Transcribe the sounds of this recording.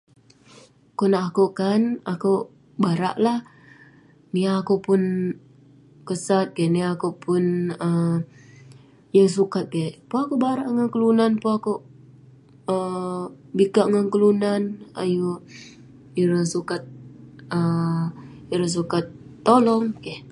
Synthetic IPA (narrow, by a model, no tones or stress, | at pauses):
konaakukanaku | baɾa̰ʔlah | niaːkupʊn | kəsat̪̚ɡeniaːkupʊnə | jəs̬ukat̪̚ɡepuakubaɾaʔŋaŋkəlunanpoaku | ə | bikaʔŋankəlunana̰ju | iɾəsukat̪̚ə | iɾəs̬ukat̪ːolɔŋkeh